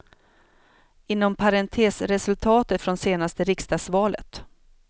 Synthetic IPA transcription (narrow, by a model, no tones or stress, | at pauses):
ɪnːɔmpʰaɾɛnt̪ʰeːsɾɛsɵlt̪ʰɑːt̪ət̪fɾɔnseːnast̪əɾɪkst̪ɑsvɑːlə̰t̪